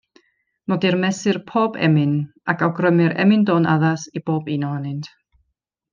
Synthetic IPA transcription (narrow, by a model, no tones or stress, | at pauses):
nɔdirmɛsɨrpʰoːbɛ̰mɨnakawɡrəmɨɾɛ̰mɪndoːnaðasib̥oːbinɔanɨntʰ